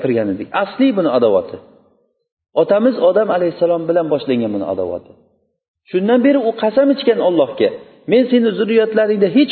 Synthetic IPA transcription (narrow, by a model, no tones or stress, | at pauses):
pʰɪɾɡʲanɪd̪ɪk̚ʲaslɪbʊnɪad̪awɒ̰t̪ʰɪ | ɒt̪ʰamɪzɒd̪amalajhɪsːalɒmbɪlanbɒʃlaŋɡʲanbʊnɪ̰a̰d̪a̰wɒ̰t̪ʰɪ | ʃʊnd̪anbe̞ɾɪʊqʰɑsamɪt͡ʃkʲanɒlˠːɒhkʲa | me̞nse̞nɪzʊɾijɒt̪laɾɪŋd̪aɦet͡ʃ